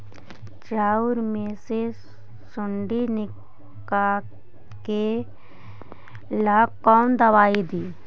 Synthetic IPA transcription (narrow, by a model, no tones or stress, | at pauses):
t͡ʃaːʊɾmẽse | sʊɳɖinɪ | ka | ke | laːkːɔːnd̪ɐʋaːid̪iː